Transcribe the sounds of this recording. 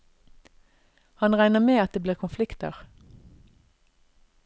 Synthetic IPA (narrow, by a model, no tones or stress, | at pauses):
hɑnʁæɪnəmeːɑt̪̚d̪eːbliːʁkʰʊnflɪkt̪ə̰ʁ